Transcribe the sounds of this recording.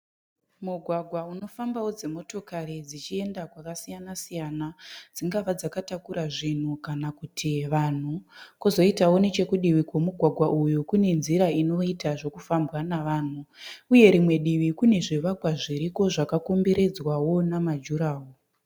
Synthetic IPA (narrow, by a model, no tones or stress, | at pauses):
muɡʱwaɡʱwauno̞fambawo̞d͡zemo̞to̞kaɾid͡zit͡ʃie̞ndakwakasijanasijanad͡ziŋɡaʋad͡zakatakuɾaʐin̤ukanakutʰiʋan̤ukuzo̞itawo̞ne̞t͡ʃe̞kuɗiʋikwomuɡʱwaɡʱwaʔujukune̞nziɾaino̞itaʐo̞kufambwanaʋaːn̤uuje̞ɾimwe̞ɗiʋikune̞ʐiʋakwaʐiɾiko̞ʐakakumbiɾe̞d͡zwawo̞namad͡ʒuɾaːwo